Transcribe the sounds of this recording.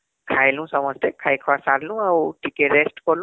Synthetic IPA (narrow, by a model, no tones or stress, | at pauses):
kʰajlũsɔməst̪ekʰajkʰʋasaɾlũawʈikeɾesʈkɔɾlũ